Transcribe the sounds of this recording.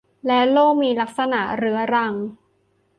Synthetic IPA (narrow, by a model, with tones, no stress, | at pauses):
lɛ˦˥loː˥˩k̚miː˧la˦˥k̚sa˧na˨˩ʔɾɯ˦˥ɐɾa˧ŋ